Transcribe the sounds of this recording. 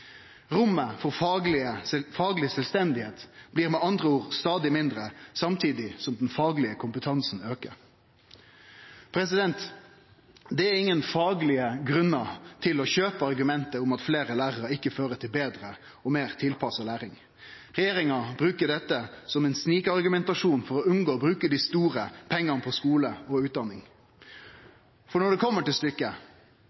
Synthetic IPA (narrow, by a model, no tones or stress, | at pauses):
ʁʊmːəfɔʁlɪəfɑːɡlɪsɛlst̪ɛnd̪ɪheːt̪b̥liːʁmɛːɑnd̪ʁəuːʁst̪ɑːd̪ɪmɪnd̪ʁəsɑmt̪ʰiːd̪ɪsɔmd̪ɛnfɑːɡlɪəkʰʊmpət̪ʰɑnsn̩øːkə̰ɾ | pʰɾɛsɪd̪ɛnt̪ | d̪ɛæɾɪŋːənfɑːɡlɪəɡʁʉnːɑt̪ʰɪlɔçøːpəɑʁɡʉmɛnt̪əʊmɑt̪fleːɾəlæːʁəɾɑɪkːəføːɾət̪ʰɪlbeːd̪ʁə | ɔmeːʁt̪ʰɪlpʰɑsəlæːɾɪŋ | ɾɛjeːɾɪŋɑbɾʉːkəɖɛt̪ːəsɔmɛnsniːkɑʁɡʉmɛnt̪ɑʂuːnfɔɾɔʉnɡoːbɾʉːkəd̪ɪst̪uːɾəpʰɛŋːɑnəpʰɔskuːləɔʉːt̪̚d̪ɑnːɪŋ | fɔɳɔɖɛkʰɔmːəʈɪlst̪ʏkːə